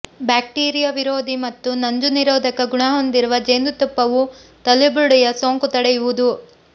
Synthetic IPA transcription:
baːk̚ʈiːɾijɐʋiɾoːd̪imɐt̪ːunɐɲd͡ʒuniɾoːd̪ɐkɐɡuɳɐɦo̞nd̪iɾuʋɐd͡ʒeːnd̪ut̪ɐpːɐʋut̪ɐlibuɽɛjɐsoːŋkut̪ɐɽeɛjuʋud̪u

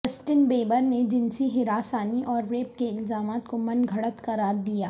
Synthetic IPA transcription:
əsʈɪnbeːbəɾned͡ʒɪnsiɦɪɾaːsaːniʔɔːɾːeːp̚keɪlzaːmaːt̪komɐnɡʱɐɽət̪kɐɾaːɾd̪ijaː

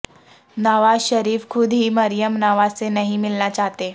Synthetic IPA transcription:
nəʋazɕəɾiːfkʰud̪ɦiːməɾijəmnaʋat͡senəɦimilnat͡ɕaɦt̪e

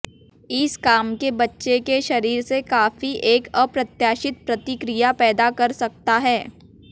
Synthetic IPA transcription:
ɪskaːmkebɐtːʃekeʃɐɾiːɾsekaːfiʔeːkəpɾɐt̪jaːʃɪt̪̚pɾɐt̪ɪkɾijapɛːd̪akɐɾsɐk̚t̪aɦɛː

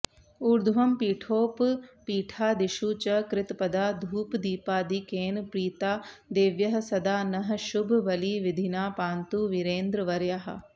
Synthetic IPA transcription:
uɾd̪ʱʋɐmpiːʈʰoːppiːʈʰaːd̪ɪʃuːt͡ʃəkɾɪt̪pɐd̪aːd̪ʱuːpd̪iːpaːd̪iːkeːnpɾiːt̪aːd̪eːʋjɐɦsɐd̪aːnɐɦʃʊbʱʋɐliːʋɪd̪ʱinaːpaːnt̪uːʋɪɾeːnd̪ɾəʋɐɾjaːɦɐ̰

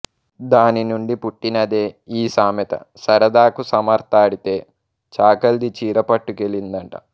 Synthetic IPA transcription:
d̪aːninuɳɖipuʈːinɐd̪eːiːsaːmɐt̪ɐ̰sɐɾɐd̪aːkusɐmɐɾt̪aːɽit̪e̞ː | t͡ʃaːkɐld̪it͡ʃiːɾɐpɐʈːukelind̪ɐɳʈɐ̰

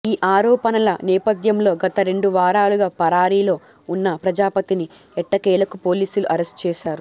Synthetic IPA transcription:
iːʔaːɾɔːpɐnɐlɐnɛːpɐd̪jɐmlo̞ːɡɐt̪ɐɾe̞ɳɖuʋaːɾaːluɡaːpɐɾaːɾiːlo̞ː | unːɐpɾɐd͡ʒaːpɐt̪ini | ɛʈːɐkɛːlɐkupo̞ːliːsuluʔɐɾesʈ̚t͡ʃɛːʃaːɾu

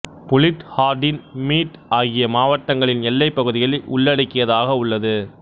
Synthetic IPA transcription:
pʊlɪʈhaːɾɖɪnmiːʈaːɣɪjɐmaːʋɐʈːɐŋɡɐɭɪnɛlːɐɪpːɐɣɯðɪjɐlʊ̰ɭːɐɽɐɪkːɪjɐðaːɣɐʊɭːɐðɯ

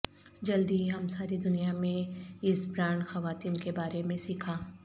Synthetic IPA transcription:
d͡ʒɐld̪iɦɐmsaːɾid̪ʊnijamẽɪsbɾaːɳxɐʋaːt̪iːnkebaːɾemẽsɪkʰaː

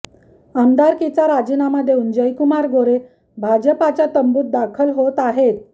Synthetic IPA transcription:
amd̪aɾkit͡saɾad͡ʑinamad̪ʱːeund͡ʑəjkumaɾɡʱoɾe | bʱad͡ʑəpat͡ɕat̪əmbuːt̪̚d̪akʰəlɦot̪aɦet̪

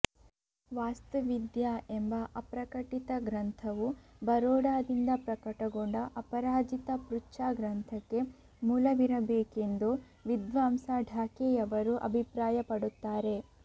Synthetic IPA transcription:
ʋaːst̪ɐʋid̪jaembɐʔɐpɾɐkɐʈit̪ɐɡɾɐnt̪ʰɐʋubɐɾɔːɽaːd̪ind̪ɐpɾɐkɐʈɐɡoɳɖɐʔɐpɐɾaːd͡ʒit̪ɐpɾut͡ʃaːɡɾɐnt̪ʰɐkːe̞ | muːlɐʋiɾɐbeːke̞nd̪u | ʋid̪ʋaːmsaːɖʱaːkɛːjɐʋɐɾuʔɐ̰bʱipɾaːjɐpɐɽut̪ːaːɾe̞

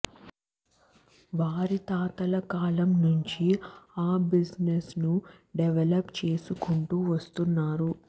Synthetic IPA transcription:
ʋaːɾit̪aːt̪ɐlɐkaːlɐmnuɲt͡ʃiaːbid͡ʒnesnuɖɛʋelɐpt͡ʃe̞ːsukuɳʈuːʋɐst̪unːaːɾu

